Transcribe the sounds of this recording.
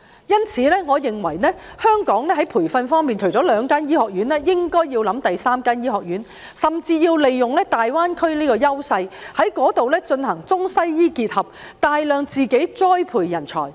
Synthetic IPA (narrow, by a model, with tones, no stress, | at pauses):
jɐ˥nt͡sʰiː˨˦lɛː˥ŋɔː˨˧jɪ˨ŋwɐ˨˩jnɛː˥ | hœː˥ŋkɔː˨˥ŋlɛː˥ɦɐ˨˥jpʰuː˨˩jfɐ˧nfɔː˥ŋmiː˨nt͡ʃʰɵ˨˩ɥt͡sɔː˨˥lœː˨˧ŋkaː˥njiː˥hɔː˨k̚ɥyː˨˥nɛː˥jɪ˥ŋkɔː˥jji˧wlɐ˨˧˥mt̪ɐ˨jsaː˥mkaː˥njiː˥hɔː˨k̚jyː˨˥n | sɐ˨mt͡siː˧jiː˧wle˨jːʊ˨˩ŋlɛː˥t̪aː˨jwaː˥nkʰɵ˥ɥniː˥kɔː˧jɐ˥wsɐ˧jhɐ˨˥jkɔː˨˥t̪o˨wlɛː˥t͡ʃɵ˧nhɐ˨˩ŋt͡sʊ˥ŋsɐ˥jjiː˥kiː˧t̚hɐ˨p̚ | t̪aː˨jlœː˨ŋt͡siː˨ke˨˥jt͡sɔː˥jpʰuː˨˩jːɐ˨˩nt͡ʃʰɔ̰ː˨˩j